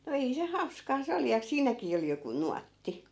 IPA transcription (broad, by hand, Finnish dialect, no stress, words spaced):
no ei se hɑuskɑː se oli jɑ siːnækiː ol joku nuɑtːi